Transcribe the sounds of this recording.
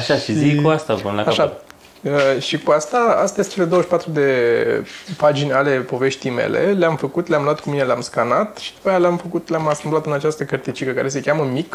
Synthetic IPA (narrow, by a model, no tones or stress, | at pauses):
aʃaʃizikuast̪aponlakaʃat̪ | əʃikuast̪aa̰st̪ajest͡ʃe̞le̞d̪oəʃi̥pat̪ɾud̪e̞ | pad͡ʒinʲale̞po̞ve̞ʃt̪ijmḛle̞̰leamfəkut̪leamlwat̪̚kumine̞leamskanat̪ʃi̥d̪upəjaleamfəkut̪leamast̪ɨmblat̪ɨnat͡ʃast̪əkərt̪it͡ʃikəkaɾe̞se̞kʲaməmik